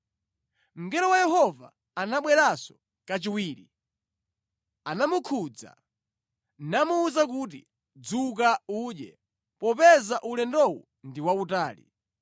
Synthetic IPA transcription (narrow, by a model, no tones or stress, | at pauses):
m̩ɡɛɾɔwajɛɦɔva̰ː | naɓwɛɾasɔ̥ | kat͡ʃiwiːɾi | anamukʰud͡za̰ | namuːzak̬ut̬ḭ | d͡zuk̬auːɗɛ | pɔpɛzaʔulɛndɔwu | ndiwautaːlḭ